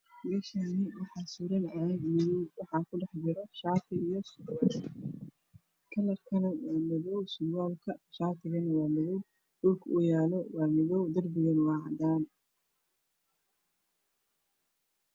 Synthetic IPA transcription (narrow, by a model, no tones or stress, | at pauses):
mɛːʃɐnɪwɑħɑːsuːɾɐnɐɛɡmɪðɔwwɑħɑːkʰʊɖɛħd͡ʒɪɾɐʃɑːt̪ʰɪijɔsʊɔ | kʰɐlɐrkʰɐnɐwaːmɪðɔwsʊɡaːlkʰɐʃaːt̪ʰɪɣɐnwaːmɪðɔw | ʔʊlkʰʊjaːlɔwɑːmɪðɔwd̪ɐrbɪɣɐnwɑːʕd̪aːn